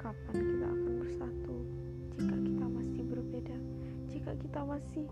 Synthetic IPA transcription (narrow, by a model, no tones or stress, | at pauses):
kapankit̪a̰ʔa̰kanbərsat̪u | d͡ʒikakit̪amasɪhbərbeda | d͡ʒika̰kit̪amasɪh